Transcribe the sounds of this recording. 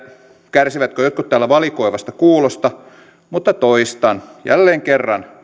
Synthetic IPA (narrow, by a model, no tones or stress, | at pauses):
kærsiʋæt̪køjot̪̚kut̪t̪æːlæʋɑlikoiʋɑst̪ɑkuːlost̪ɑ | mut̪ːɑt̪oist̪ɑnjæ̰lːeːŋkerːɑn